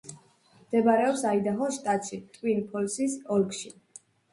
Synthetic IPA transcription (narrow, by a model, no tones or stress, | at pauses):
md̪̥ɛbaɾɛɔpsaid̪aχɔʃt̪ʼat̪ʃit̪ʼwinpʰɔlsisɔlkʃi